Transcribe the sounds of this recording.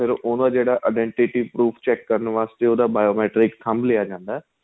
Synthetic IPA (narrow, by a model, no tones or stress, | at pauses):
pʰɪɾʔʊnad͡ʒeːɽaʔaɖẽɳʈɪʈipɾuːfʰt͡ɕɛːkːəɾənʋaːst̪eʊd̪abaːjoːmɛːʈɾɪkt̪ʰambliad͡ʒãːnd̪a